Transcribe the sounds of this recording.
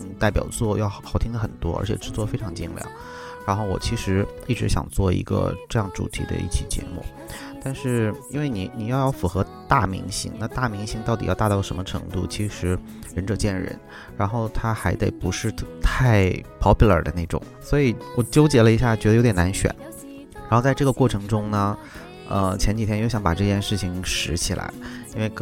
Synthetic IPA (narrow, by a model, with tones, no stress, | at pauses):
n̩˥˧t̪a˥˩ɪpjɑ̰˨˩ʊt͡swɔ˥˩jɑ˥˧ʊxɑ˥˩ʊt̪ʰi˥ŋdə˩xə˨˩nt̪wɔ̰˥ə̰˞˧˥t͡ɕʰɛ̰˨˩ʈ͡ʂɻ̩˥t͡swɔ˥˩fe˥ɪʈ͡ʂʰɑ˧˥ŋt͡ɕḭ˥˧ŋljɑ̰˥˨˩ŋ | ɻa˧˥nxo˥˩ʊwɔ̰˨˩t͡ɕʰi˧˥ʂɻ̩˧˥ | i˥˩ʈ͡ʂɻ̩˧˥ɕjɑ̰˨˩ŋt͡swɔ˥˩ḭ˧˥ɡə̰˧ʈ͡ʂɤ˥˧jɑ˥˩ŋʈ͡ʂṵ˨˩t̪ʰi˧˥d̪ə̰˧ḭ˥˩t͡ɕʰḭ˨˩t͡ɕjɛ̰˧˥mṵ˥˩ | t̪a˥˧nʂɻ̩˥˩i˥nwe˥˩ɪni˨˩ni˨˩jɑ˥˧ʊjɑ˥˩ʊfu˨˥xɤ˧˥ | t̪a˥˩mḭ˧˥ŋɕḭ˧˥ŋna˥˧t̪a˥˩mi˧˥ŋɕi˧˥ŋt̪ɑ˥˩t̪i˨˩jt̪a˥˧t̪ɑ˥˩ʂə˧˥nmə˧ʈ͡ʂʰɤ˧˥ŋt̪u˥˩t͡ɕʰi˧˥ʂɻ̩˧˥ | ɻə˧˥nʈ͡ʂɤ˨˩t͡ɕjɛ˥˩nɻə̰˧˥˦n | ɻa˧˥nxo˥˩ʊt̪ʰa˥xa˧˥ɪt̪e˨˩ɪpu˧˥ʂɻ̩˥˧t̪ʰa˥˧ɪpʰɑ˧˥pʰi˧˥lə̰˞˨˩d̪ə̰˦ne˥˩ɪʈ͡ʂʊ̰˨˩˦ŋswɔ˧˥i˨˩wɔ˨˩t͡ɕjo˥ʊt͡ɕjɛ˧˥lə˧i˧˥ɕja˥˩t͡ɕɥɛ˧˥d̪ə˧o˧˥ʊt̪ʲjʲɛ˨˩na˧˥nɕɥɛ̰˨˩˦n | ɻa˧˥xo˧t͡sa˥˧ɪʈ͡ʂɤ˥˩ɡə˩kwɔ˥˩ʈ͡ʂʰɤ˧˥ŋʈ͡ʂʊ˥ŋnə˨ | ə˧t͡ɕʰjɛ˧˥nt͡ɕi˨t̪ʰjɛ˥njo˧˥ʊɕjɑ˧˥ŋpa̰˨˩ʈ͡ʂɤ˥˧t͡ɕjɛ˥˧nʂɻ̩˥˩t͡ɕʰi˩ŋʂɻ̩˧˥t͡ɕʰi˨˩lʔa̰˧˥ɪi˥nwe˥˧ɪ